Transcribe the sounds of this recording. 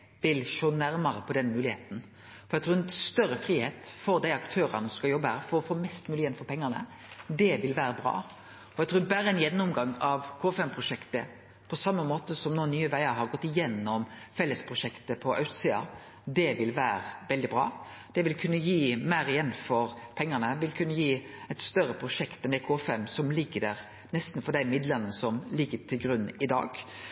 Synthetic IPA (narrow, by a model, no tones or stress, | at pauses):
ʋɪlʃoːnæɾmɑɾəpʰɔd̪ɛnmʉːlɪheːt̪n̩ | fɔɾɛt̪ʰɾʉːɛnst̪œɾəfɾiːheːt̪fɔɾd̪æɪɑkt̪ʰøːɾə̰nəsɔmskɑljɔbːəhæːɾfɔɾɔfoːmɛst̪mʉːlɪəjɛnfɔɾpʰɛŋːənə̰ | d̪ɛʋɪlʋæːɾəbɾɑ̰ː | ɔɛɡt̪ʰɾuːbæːɾəɛnjɛnːʊmɡɑŋɑʋkʰoːɛfɛmpʰɾʊʂɛkt̪ə̰ | pʰɔsɑmːəmoːt̪əsɔmnoːnyːəʋæɪəɾɦɑɾɡɔt̪ːɪjɛnːɔmfɛlːəspʰɾʊʂɛkt̪əpʰɔʔɑʉt̪siːɑ̰ | d̪ɛʋɪlʋæːɾəʋɛld̪ɪbɾɑ̰ːd̪̥ɛʋɪlkʰʉnːəjiːmæɪɾɪjɛnːfɔɾpʰɛŋːənəʋɪlkʰʉnːəjiːɛɪt̪st̪œɾːəpʰɾʊʂɛkt̪ɛnd̪ɛkʰoːfɛmːsɔmlɪɡːəd̪æːɾ | nɛst̪n̩fɔɖ̪æɪmɪd̪lənəsɔmlɪɡːəʈʰɪlɡɾʉnɪd̪ɑ̰ːɡ̥